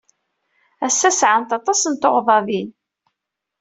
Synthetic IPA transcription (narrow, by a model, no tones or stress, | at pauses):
æsːæsʕant̪ɑt̪ˤɑsənt̪oʁðˤɑvin